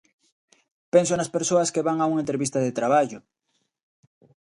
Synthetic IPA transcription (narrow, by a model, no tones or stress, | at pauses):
pens̬onaspeɾsoɐskeβaŋauŋaent̪ɾeβist̪aðet̪ɾaβ̞aʝʊ